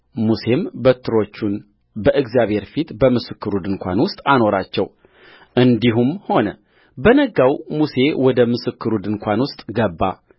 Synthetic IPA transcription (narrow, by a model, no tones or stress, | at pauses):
muse̞mbət̪ʰːɨɾo̞t͡ʃːun | bəʔɨɡzjaβhe̞ɾfit̪bəmɨsɨkːɨɾud̪ɨŋkʷa̰nwʊst̪ʼano̞ɾat͡ʃːɛw | ʔɨnd̪iɦumho̞nə | bənəɡawmuse̞wɔd̪əmɨsɨkʰːɨɾud̪ɨnkʷʰanwʊst̪ʼɡəbːa̰